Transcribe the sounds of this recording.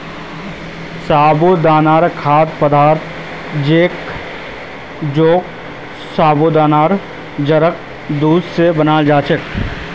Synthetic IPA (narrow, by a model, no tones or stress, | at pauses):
saːbod̪aːnaːɾkʰaːd̪pəd̪aːɾt̪ʰ | d͡ʒeːk | d͡ʒoːk̚ | saːbod̪aːnaːɾ | d͡ʒəɾək̚ | d̪uːd̪sebənaːld͡ʒaːt͡ʃək